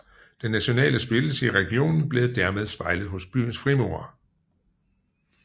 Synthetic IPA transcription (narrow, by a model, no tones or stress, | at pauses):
d̥enːæɕo̝nɛ̰ːləsb̥e̝ləsəiʁɛɡ̥io̝̰ːnn̩b̥le̝ːð̩ˠd̥æɐmeð̞̩ˠsb̥ɑ̈ɪləð̞̩ˠɦɔ̽sb̥y̰ːn̩sfʁimo̝̰ːɐ